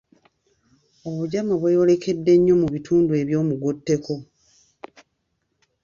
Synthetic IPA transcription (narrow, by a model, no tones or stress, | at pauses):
o̞βuɟamaβwejole̞ke̞dːe̞ɲːo̞muβitʰuːndue̞βjo̞ːmuɡutːe̞ko̞